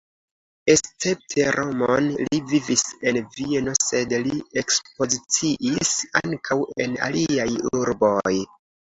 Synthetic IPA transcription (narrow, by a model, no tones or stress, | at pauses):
e̞st͡se̞p̚tʰe̞ɾʔo̞monlivivise̞nvie̞no̞se̞dlie̞kspo̞zit͡siʔisaŋkʰawe̞na̰liajuɾbo̞j